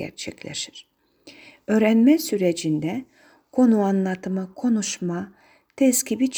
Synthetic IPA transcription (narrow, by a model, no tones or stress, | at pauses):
ɛ̰ɾt͡ʃʰɛ̰cʲlʲḛʃi̥ɾ̥ | ø̞ːɾænmɛsyɾed͡ʒind̪ɛ | kʰo̞nuanlˠat̪ʰɯmakʰo̞nuʃma | t̪ʰɛscʲʰibit͡ʃʰ